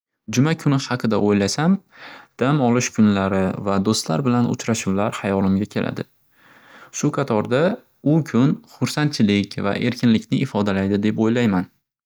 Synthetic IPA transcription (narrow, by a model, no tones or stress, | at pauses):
d͡ʒʊmakʰʊnɪhɑqʰɨd̪aʔojlasamd̪̥amɒlˠɪʃkʰʊnlaɾɪvad̪ost̪la̰ɾbɪlanʊ̰t͡ʃʰɾaʃʊwlaɾhajɒlɪmɡʲakʲʰe̞lʔa̰d̪ɪ̰ | ʃʊqʰɑt̪ʰɒɾd̪a | ʊkʲʰʊnχʊɾsant̪̚t͡ʃʰɪlɪkʲva̰ʔe̞̰ɾkʲɪnlɪkʲnɪːfɒd̪alajd̪ɪd̪e̞pojlajman